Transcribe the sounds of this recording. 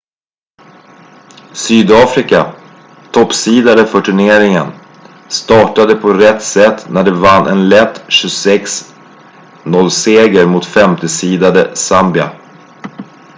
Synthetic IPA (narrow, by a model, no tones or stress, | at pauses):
syːd̪ɑːfɾɪka | t̪ʰɔpːsiːd̪ad̪əfœʈʰɵɳeːɾɪŋə̰n | st̪ɑːʈad̪əpʰɔɾɛt̪ːsɛt̪ːnæɖɛvanːʔɛ̰nlɛt̪ːɕɵsɛks | nɔlːseːɡəɾmʊt̪fɛmt̪əsiːd̪ad̪əsambɪa̰